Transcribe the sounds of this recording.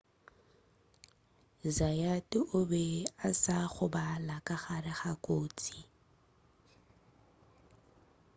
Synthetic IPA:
zajatʼɪʔʊbɛasaχʊbalakʼaχarɪχakʼoːt͡sʼi

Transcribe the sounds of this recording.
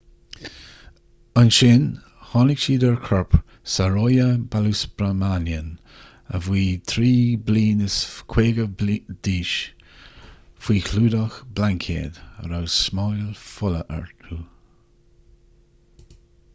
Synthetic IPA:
ənʃɪn | hɑːnɪkʃiːdəɹkʰɔɹp | saɾojəbalusbɾəmanjən | ə̰vwiːt̪ʰɾiːbliːnəskʰweːɡəd̥iːʃ | fwiːkʰluːdɔxblaŋkʰḛːd̪ə̰ɾawsmɔjlfʊləʔɛ̰ɹtʰuː

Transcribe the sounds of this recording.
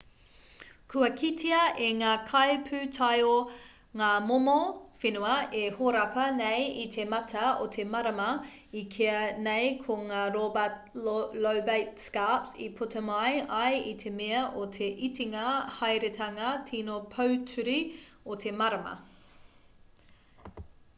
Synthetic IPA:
kʰʉɐkʰitʰiɐʔeŋaːkʰɐjpʰʉtʰɐjo | ŋaːmomofenuɐehoɾɐpɐnejitʰemɐtʰɐo̰tʰemɐɾɐmɐ | ikʰeɐnejkʰoŋaːɾobɐt | lowbejt̚skapsḭpʰutʰɐmɐjɐjitʰemeɐʔotʰe̞ʔitʰiŋɐhɐjɾetʰɐŋɐtʰinopʰɐwtʰʉɾiotʰe̞mɐɾɐmɐ̰

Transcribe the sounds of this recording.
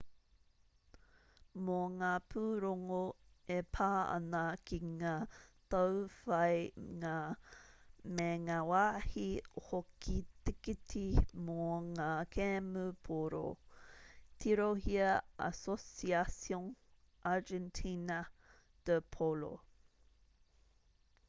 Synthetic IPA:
moŋaːpʰuɾoŋoepʰaːɐ̰nɐkʰiŋaːtawfɐjŋaː | meŋawahiohokʰit̪ikitimoŋaːkʰɛmupʰoɾo̰ | t̪ʰiɾohiɐa̰sosiasjoŋ | ʔad͡ʒɛntʰinɐ | d̥əpʰolo̰

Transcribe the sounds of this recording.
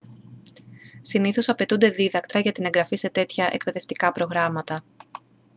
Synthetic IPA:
siniθo̞sɐpe̞t̪und̪e̞ðiðɐkt̪ɾɐʝɐt̪ine̞ŋɡɾɐfise̞t̪e̞t̪çɐʔḛk̚pe̞ðe̞ft̪ikɐpɾo̞ɣɾɐmɐt̪ɐ

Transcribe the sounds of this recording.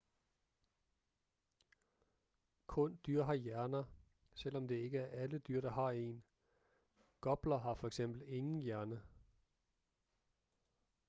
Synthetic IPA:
kʰɔ̽nd̥yɐ̰ɦɑ̈jæɐnɐ | sel̰ɒ̽md̥e̝e̝ɡ̥əæɐʔæləd̥yɐ̰ɾ̥ɑ̈hɑ̈e̝̰ːn | ɡ̥ɒ̽b̥lɐɦɑ̈fɒ̽eɡ̥sem̰b̥l̩e̝ŋn̩jæɐnə

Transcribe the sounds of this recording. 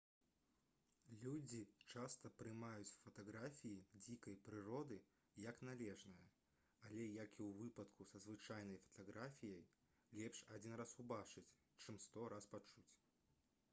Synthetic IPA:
lʲud͡zʲit͡ʂast̪ɐpɾɨmajut͡sʲwfɐt̪aɣɾafʲijid͡zʲikɐjpɾɨɾɔd̪ɨ | jɐknalʲɛʐnɐjɐ̰ | alʲɛjɐkiwvɨpɐt̪kusɐzvɨt͡ʂajnɐjfɐ̥t̪aɣɾafʲijɐj | lʲɛpʂad͡zʲinrasubat͡ʂɨt͡sʲ | t͡ʂɨmst̪ɔɾaspat͡ʂut͡sʲ

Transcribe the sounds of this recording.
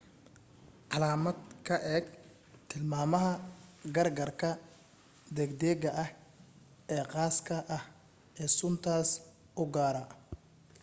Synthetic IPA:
ʕɑlaːmɐd̪kʰɐʔɛːɡ | t̪ʰɪlmaːmɐɦɐɡɐrɡɐrkʰɐ | d̪ɛɡd̪ɛːɡɐʔɐh | ɛːqɑːskʰɐʔɐh | ɛːsʊnt̪ʰaːs | ʔʊɡaːɾɐ

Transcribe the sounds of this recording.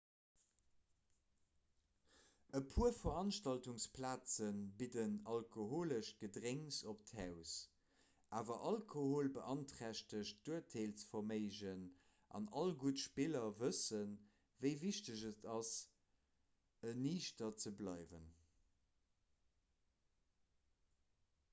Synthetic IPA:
əpʰuɐfɐɑnʃtɑltuŋspʰlaːt͡sənbidənɑlkʰoɦoːləʃɡ̥ədʁeŋsop̚thæʊs | ʔaːvɐʔɑlkʰohoːlbəʔɑntχæʃtəʃd̥uətʰeːlt͡sfɐmeɪʑən | ʔɑ̰nɑlɡutʃpilɐvəsən | vəɪviʃtəʑətʰɑs | əniːʃtɐt͡səblɑɪvə̰n

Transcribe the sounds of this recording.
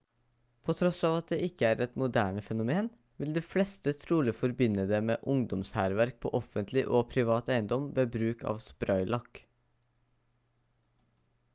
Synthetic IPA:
pʰot̪ʰɾɔsɑːʋɑt̪̚d̪eːʔɪkːəæːɾɛt̪mʊd̪æːɳəfɛnʊmeːn | ʋɪld̪iːflɛst̪ət̪ʰɾuːlɪfɔɾbɪnːəd̪eːmeːʔʊŋd̪ɔmshæːɾʋæɾk̚pʰɔ̰ːʔɔfənt̪ʰlɪʔoːpʰɾɪʋɑːt̪æɪənd̪ɔmʋeːbɾʉːkɑ̰ːʋspɾœʏlɑkː

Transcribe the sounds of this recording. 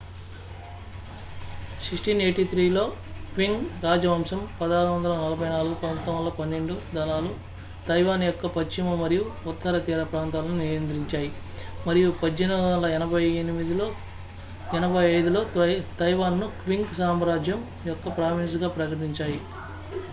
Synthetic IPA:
ʃiʂʈineːʈit̪ɾiːlo̞ːkʋiŋɡɾaːd͡ʒɐʋɐːmsɐmpɐd̪aːɾuʋɐnd̪ɐlɐnɐlɐbʱɐjnaːluɡupɐnt̪ɐmɐlːoːpɐnːe̞ɳɖud̪ɐlaːlu | t̪ɐjʋaːnjɔkːɐpɐt͡ʃːimɐmɐɾijuut̪ːɐɾɐt̪iːɾɐpɾaːnt̪aːlɐnunijɐnt̪ɾiɲt͡ʃaːji | mɐɾijupɐd͡ʒd͡ʒɐnuɐlɐɛnɐbʱɐjenimid̪iloː | ɛnɐbʱɐjɐjd̪ulo̞ːt̪ɐjʋaːnːukʋiŋɡsaːmɾaːd͡ʒjɐm | jɔkːɐpɾaːʋins̬ɡaːpɾɐkɐʈ̬iɲt͡ʃaːji

